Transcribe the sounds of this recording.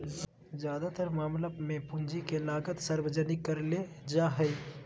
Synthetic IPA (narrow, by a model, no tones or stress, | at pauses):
zjaːd̪at̪əɾmaːmləbmẽpʊ̃nd͡ʒikelaːɡət̪səɾwəd͡ʒənɪkːəɾled͡ʒaːɦəi